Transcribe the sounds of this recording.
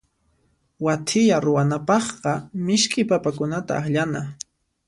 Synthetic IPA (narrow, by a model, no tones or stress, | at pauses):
wat̪ʰɪjaɾʊwanapɑχqɑmɪʃkʼɪpapakʊnat̪a̰ːχʎana